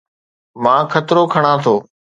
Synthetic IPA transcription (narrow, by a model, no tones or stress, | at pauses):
mãːkʰət̪ɾoːkʰəɽ̃ãːt̪ʰoː